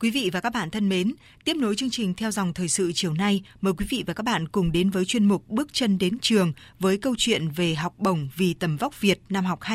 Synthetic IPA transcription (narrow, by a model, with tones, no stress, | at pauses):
kwi˨˦vḭ˧˨vaː˨˩kaː˦˥k̚ɓa̰ː˧˨nt̪ʰə˧nme˨˦n | t̪i˦˥əp̚no˨˦jt͡ɕɨ˧əŋt͡ɕï˨˩ŋ̟t̪ʰɛ˧wza˨˩wŋ͡mt̪ʰəː˨˩jsɨ̰˧˨t͡ɕi˨˩əwna˧jməː˨˩jkwi˨˦vḭ˧˨vaː˨˩kaː˦˥k̚ɓa̰ː˧˨nkʊ˨˩ŋ͡mɗe˨˦nvəː˨˦jt͡ɕwi˧ənmʊ˨˩k͡p̚ɓɨ˦˥ək̚t͡ɕə˧nɗe˨˦nt͡ɕɨ˨˩əŋ | vəː˨˦jkə˧wt͡ɕwḭ˧˨ənve˨˩ɦa˨˩wk͡p̚ɓə˨˩wŋ͡mvi˨˩t̪ə˨˩mva˦˥wk͡p̚vi˨˩ət̚naː˧mɦa˨˩wk͡p̚ha˦